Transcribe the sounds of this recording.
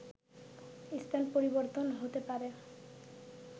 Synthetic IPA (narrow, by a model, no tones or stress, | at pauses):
ist̪ʰanpoɾiboɾt̪onɦot̪epaɾe